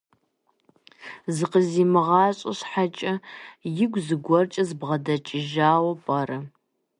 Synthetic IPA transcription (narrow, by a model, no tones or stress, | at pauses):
zɨqəziːmɨʁɑːɕʼɐɕħat͡ʃʼɐjɪɡʷzɨɡʷɔrt͡ʃʼɐzbʁɐdɐt͡ʃʼɪʒaːwɐpʼɐrɐ